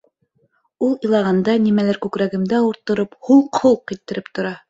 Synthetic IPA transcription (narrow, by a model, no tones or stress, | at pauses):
ulˠĭjlˠɑʁɑnd̪ɑnimælæɾkʉkɾæɡɘ̆md̪æuɾt̪ːŏɾophuɴqʰholˠqːit̪ːɘ̆ɾɘp̚t̪ŏɾɑ